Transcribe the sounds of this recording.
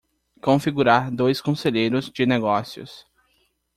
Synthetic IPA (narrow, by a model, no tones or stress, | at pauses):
kõfiɡuɾaɾd̪ojskõseʎejɾʊzd͡ʒɪneɡɔsjʊ̰s